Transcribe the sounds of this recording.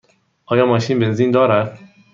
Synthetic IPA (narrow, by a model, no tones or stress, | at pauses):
ʔɒːjɒːmɒːʃiːnbenziːnd̪ɒːɾæd̪̥